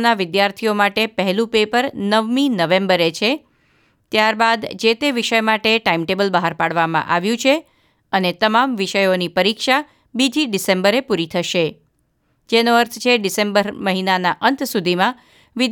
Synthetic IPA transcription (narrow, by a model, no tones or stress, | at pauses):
naʋɪd̪jaɾt̪ʰiomaʈepəɦɛlũpepəɾnəʋminəʋẽmbəɾet͡ʃʰe | t̪jaɾbad̪d͡ʒet̪eʋiʃəjmaʈeʈaimʈebəlbəɦaɾpaɽʋamã̰ʔaʋjũt͡ʃʰe | ənet̪əmamʋiʃəjonipəɾikʃa | bid͡ʒiɖisẽmbəɾepuɾit̪ʰəʃe | d͡ʒenoəɾt̪ʰt͡ʃʰeɖɪsembəɾməɦinanaʔənt̪ʰsud̪ʱimã | ʋɪ